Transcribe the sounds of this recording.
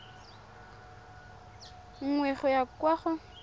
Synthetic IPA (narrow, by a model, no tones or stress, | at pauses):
ŋ̩ŋwɛχʊjakwaχʊ